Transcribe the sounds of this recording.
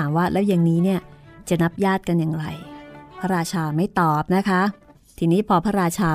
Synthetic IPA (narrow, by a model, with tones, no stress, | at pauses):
aː˩˦mwaː˥˩lʔɛː˦˥wja˨˩ŋniː˦˥ni˥˩ɐt͡ɕa˨˩na˦˥p̚jaː˥˩t̪̚ka˧njaː˨˩ŋɾa˧jpʰa˦˥ɾaː˧t͡ɕʰaː˧ma˥˩jt̪ɔː˨˩p̚na˦˥kʰa˦˥ | t̪ʰiː˧niː˦˥pʰɔː˧pʰa˦˥ɾaː˧t͡ɕʰaː˧